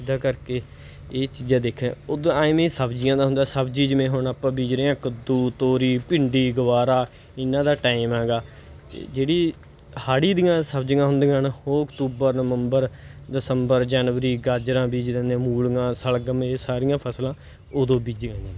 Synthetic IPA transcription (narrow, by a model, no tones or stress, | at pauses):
ɪd̪aːkəɾkeː | eːt͡ʃiːd͡ʒãːd̪eːkʰḛ̃ːoːd̪õːaːimẽːsəbd͡ʒɪjãːd̪aːɦʊnd̪aːsəbd͡ʒiːd͡ʒəmẽːɦoɳaːpãːbiːd͡ʒɾeːãːkəd̪ːuːt̪oːɾiːpɪɳɖiːɡəʋaːɾaː | ɪnːãːd̪aːʈaːɪmɛːɡaː | t̪ḛːd͡ʒeːɽiː | haːɽiːd̪ijãːsəbd͡ʒŋãːɦʊnd̪ẽːɦənoːʊkt̪uːbəɾnəʋəmbəɾ | ɖɪsəmbəɾd͡ʒɛːnʋəɾiːɡaːd͡ʒɾãːbiːd͡ʒɾẽːnd̪ẽːmuːlɡãːsəlɡəmeːsaːɾɪjãːpʰəslãː | oːd̪õːbiːd͡ʒããː